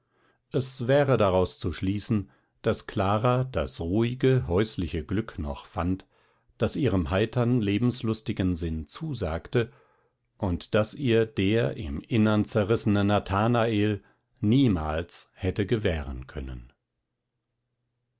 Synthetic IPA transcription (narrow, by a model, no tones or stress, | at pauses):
ʔɛsvɛːʁədaʁaʊst͡suʃliːsn̩ | d̥askʰl̥aːʁad̥a̰sʁuːɪɡəɦɔʏslɪçəɡlʏknɔ̰χfant | d̥asiːʁəmɦaɪtʰɐnleːbm̩slʊstɪɡn̩zɪnt͡suːzaːktə | ʔʊntd̥asʔiːɐd̥eːɐʔɪ̰mʔɪnɐnt͡sɛʁɪsənənatʰaːnaeːl | niːmaːlshɛtəɡəvɛːʁə̰nkʰœ̰nə̰n